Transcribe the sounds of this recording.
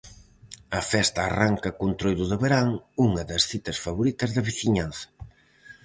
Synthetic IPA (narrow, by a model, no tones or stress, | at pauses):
ɐfɛst̪a̰ːraŋkɐkunt̪ɾojd̪ʊðeβeɾaŋuŋɐðɐsθit̪ɐsfaβoɾit̪ɐzðɐβiθiɲanθɐ̥